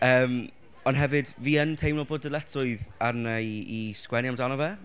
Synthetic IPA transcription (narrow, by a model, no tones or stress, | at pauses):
əːm | ɔnɦɛvɨdviːəntʰejmlɔbʊdəlˠɛtʰʊɨðarnaiskwɛniamdanɔvɛ